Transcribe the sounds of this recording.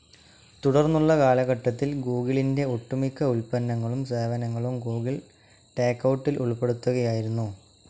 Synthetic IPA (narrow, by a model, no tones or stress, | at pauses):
t̪uɽɐrnːuɭːɐkaːlɐɣɐʈːɐt̪ːilɡuːɣiɭinde̞oʈːumikːɐulpɐnːɐŋːɐɭumse̞ːʋɐnɐŋːɐɭumɡuːɡiɭ | ʈe̞ːkːɐwʈːilʔuɭpe̞ɽut̪ːuɣɐjaːjiɾunːu